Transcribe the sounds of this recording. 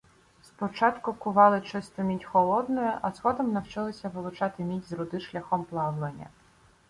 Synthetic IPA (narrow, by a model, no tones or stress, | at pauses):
spɔt͡ʃɑt̪kʊkʊʋɑlˠɪt͡ʃɪst̪ɔmʲitʲxɔlˠɔd̪nɔjɛʔɐzxɔd̪ɔmnɐwt͡ʃɪlˠɪsʲɐʋɪlˠʊt͡ʃɑt̪ɪmʲitʲzɾʊd̪ɪʃlʲɐxɔmplˠɑwlˠenʲːɐ̰